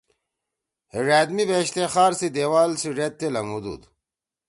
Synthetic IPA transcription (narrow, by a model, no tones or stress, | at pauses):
hiʐaːd̪mibeːɕt̪exaːɾsid̪ewaːlsiʐet̪ːelɐmud̪ṵd̪